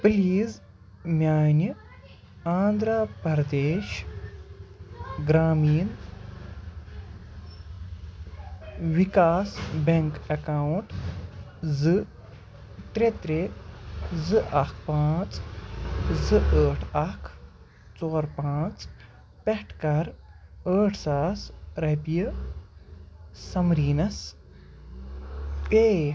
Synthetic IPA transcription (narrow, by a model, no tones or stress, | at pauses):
pliːz | mʲjaːjni | aːnd̪ɾaːpɐɾd̪eːʃ | ɡɾaːmiːn | ʋikaːsbeŋkɐkaːuɳʈ | zɨ | t̪ɾet̪ɾe | zɨʔɐkʰpãːt͡s | zɨʔəːʈʰɐkʰ | t͡soːɾpãːt͡s | pɛʈʰkɐɾəːʈʰsaːsɾɐpijɐ | sɐmɾiːnɐs | eː